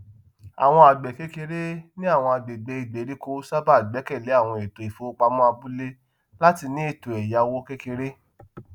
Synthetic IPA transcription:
a̰˨w̃ɔ̃˧a˨ɡ͡bɛ˨ke˦ke˧ɾe˦nĩ˦a˦˨w̃ɔ̃˧a˨ɡ͡be˨ɡ͡be˧i˨ɡ͡be˨˦ɾi˦ko˦sa˦ba˦˨ɡ͡bɛ˨˦kɛ˦˨le˨˦a˦˨w̃ɔ̃˧e˨to˨i˨fo˨˦k͡pa˧˦mɔ̃˦a˧bu˦le˦ | la˦ti˧nĩ˦e˦˨to˨ɛ˨ja˧wo˦ke˦ke˧ɾe˦

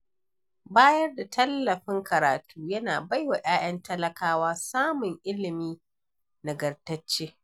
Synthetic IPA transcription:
baː˦jɐ˦rda˨tʰɐ˦lːɐ˨ɸɪ˦ŋkɐ˨ɾaː˨tuː˦jɐ˦naː˨ba˦jwa˨ʔaː˦j̰ɐ˦ntɐ˦lɐ˦kaː˦waː˦saː˦mʊ˨ŋʔɪ˦lɪ˨miː˦ | na˨ɡɐ˨rtɐ˦t͡ʃːeː˦

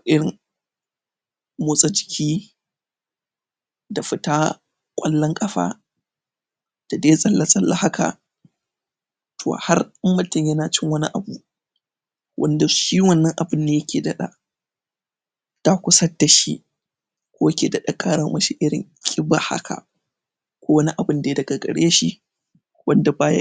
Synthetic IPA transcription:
ʔɪ˦ɽɪ˨ŋ | moː˦sʼɐ˦d͡ʒɪ˨kʲʰiː˦ | da˨ɸɪ˦ta˦ | kʷʼɐ˦lːɐ˦ŋkʼɐ˦ɸa̰ː˦ | d̥a˨deː˦sʼɐ˦lːa˨sʼɐ˦lːa˦ha˦kʰa̰˨ | tʰo̰ː˨ha˦rmmʊ˦tɪ˨mjɐ˦naː˨t͡ʃɪ˦ŋwɐ˦nḭ˦ʔa˨bu˦ | wʔɐ̰˦nda˨ʃiː˦wɐ˦˨nːɐ˦ŋʔa˨bɪ˦ndaː˨jɐ˦kʲʰeː˨dɐ˦ɗa̰˦˨ | ta˦kʷʊ˦sɐ˦dːa˨ʃi˦ | kʷoː˦ja˦kʲḛː˨dɐ˦˨ɗa˦kʼaː˦ɽɐ˦mɐ˦ʃi˦ʔɪ˦ɽɪ̰˨ŋkʲʼɪ˦ba˦ha̰˦kʰa̰˨ | kʷoː˦wɐ˦ni˦ʔa˨bɨ˦ndeː˦˨˦dɐ˨ɡa˨ɡɐ̰˨ɽeː˦ʃi˦ | wɐ˦nda˨baː˦ja̰˦

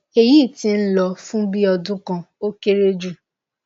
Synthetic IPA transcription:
e˨ji˦˨ti˧n̩˦lɔ˧fũ˦bi˦ɔ˧dũ˦kã˧o˦ke˦ɾe˦d͡ʒu˦˨

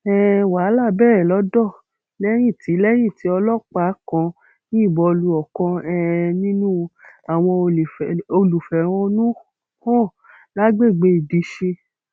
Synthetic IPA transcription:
ɛ˦wa˨˦la˦˨bɛː˦˨ɾɛ˨lɔ˨˦dɔ˦˨ | lɛ˦j̃ĩ˦˨ti˨˦lɛ˦j̃ĩ˦˨ti˨˦ɔ˧lɔ˦k͡pa˦kɔ̃˧ | nĩ˦i˦˨bɔ˧lu˧ɔ˨kɔ̃˧ɛ˧nĩ˦nũ˦a˨w̃ɔ̃˧˨o˧lu˨fɛ˨w̃ɔ̃˧nũ˦ | hɔ̃˦˨ | la˦ɡ͡be˦˨ɡ͡be˧˦i˨di˨˧˦ʃe˧

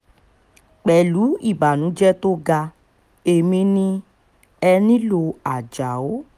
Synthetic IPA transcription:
k͡pɛ˨lu˨˦i˦˨ba˨nũ˨˦d͡ʒɛ˦to˦ɡa˧ | e˨mĩ˧nĩ˧ | ɛ˧nĩ˦lo˧a˨d͡ʒa˨o˨˦

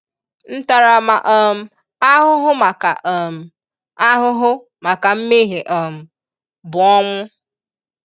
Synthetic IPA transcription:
n̩˦ta˨ɾa˨ma˨ʔɔ˦m̩˦ | a˦ɦʊ˦ɦʊ˦ma˨ka˨ʔo˨m̩˦ | a˦ɦʊ˦ɦʊ˦ | ma˨ka˨m̩˦me˦ɦe˨ʔo˨m̩˦ | bʊ˨ɔ˦ŋʷʊ˦

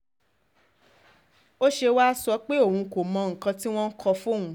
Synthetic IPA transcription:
o˦ʃe˧wa˦sɔ˧˦k͡pe˦o˦˨hũ˧ko˨mɔ̃˧ŋ̩˨kã˧ti˦w̃ɔ̃˦n̩˦kʰɔ˧fũ˦˨ũ˧˦

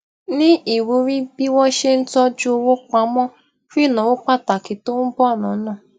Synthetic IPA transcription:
nɪ̃˦ʔi˨wu˨ɾi˦bi˦wɔ˦ʃe˦n̩˦tɔ˦d͡ʒu˦o˦wo˦k͡pa˦mɔ˦ | fi˦˨nɔ̃˨wo˦k͡pa˦ta˨kɪ˨to˦m̩˦bɔ˦˨nʊ̃˨˦nɔ̃˦˨

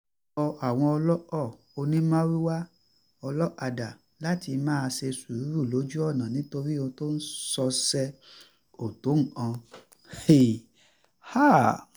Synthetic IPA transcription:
ɔ˧ʔa˨w̃ɔ̃˧ɔ˧lɔ˦ɔ˦˨ | o˧nĩ˦mã˦ɾi˦wa˦ | ɔ˧lɔ˦ʔa˧da˨ | la˦ti˧mãː˦a˧se˧su˨ɾu˨˦ɾu˦˨lo˨˦d͡ʒu˦ɔ˦˨nã˨nĩ˨˦to˧ɾi˦o˧to˦n̩˦sɔ˧sɛ˧ | o˨to˨˦ŋ̩˨ã˧ | e˨ | ha˦

